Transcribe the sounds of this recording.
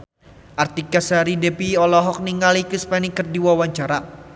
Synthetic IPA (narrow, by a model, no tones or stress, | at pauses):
ʔart̪ikasaɾidepiɔlɔɦɔk̚niŋalikispanikɨrdiwawaɲt͡ʃaɾa